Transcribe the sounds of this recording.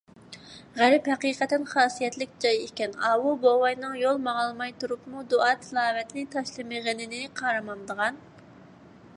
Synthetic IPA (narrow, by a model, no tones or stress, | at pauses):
ʁæɾɪphɛqiːqɛt̪ːɪnχɑːsijɛt̪lɪk̚ʲd͡ʒɑjekʲɛnɑːwubowɑjnɨŋjolˠmɑʁlˠmɑjt̪uɾupmud̪oɑːt̪ʰɨlˠɑːvɛt̪nɪt̪ʰɑʃlˠɨmɨʁənɪnɪqʰɑːɾɨmɑnd̪əʁɑn